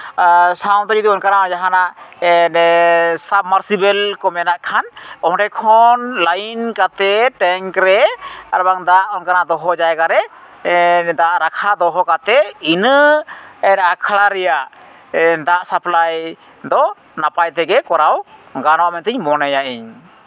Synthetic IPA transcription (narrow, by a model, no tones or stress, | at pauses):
saw̃nt̪ɔɾid̪iɔnkaɾaad͡ʒaɦanaɛnsab̚maɾsibɛlkɔmɛnaʔkʰanɔɦɖɛkʰɔnlankat̪ɛʈɛŋkɾɛaɾbaŋd̪aʔɔnkaɾad̪ɔɦɔd͡ʒajɛɡaɾɛ | d̪aʔɾakʰad̪ɔɦɔkat̪ɛinə | ɛnakʰɽaɾɛjaʔ | ɛd̪aʔsaplaj | d̪ɔ | napajt̪ɛɡɛkɔɾawɡanɔwamɛnt̪əɲmɔnɛjaʔiɲ